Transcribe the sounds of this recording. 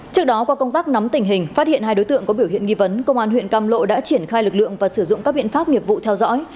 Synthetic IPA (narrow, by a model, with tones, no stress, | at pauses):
t͡ɕɨ˦˥ək̚ɗɔ˨˦kɔ˨˦kə˧wŋ͡mt̪aː˦˥k̚na˨˦mt̪ï˨˩ŋ̟ɦï˨˩ŋ̟faː˦˥t̚hḭ˧˨ənɦaː˧jɗo˨˦jt̪ɨ̰˧˨əŋkɔ˨˦ɓi˧˩əwhḭ˧˨ənŋi˧və˨˦nkə̰˧wŋ͡mʔaː˧nhwḭ˧ənkaː˧mlo̰˧˨ɗa̰ː˧˥t͡ɕi˧˩ənxaː˧jlɨ˨˩k̚lɨ̰˧˨əŋvaː˨˩sɨ˧˩zʊ̰˧˨ŋ͡mkaː˦˥kɓḭ˧˨ənfaː˦˥p̚ŋi˨˩əvṵ˧˨t̪ʰɛ˧wzɔ̰˧˥j